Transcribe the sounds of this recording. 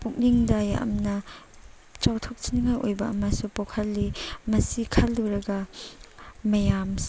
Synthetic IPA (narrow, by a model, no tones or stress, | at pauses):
pukniŋdajaɐ̰mnɐ | t͡ʃawtʰok̚t͡ʃiniŋajojbɐɐ̰mɐsupowkʰɐlːimɐsikʰɐldoɾɐɡɐ | mɐjams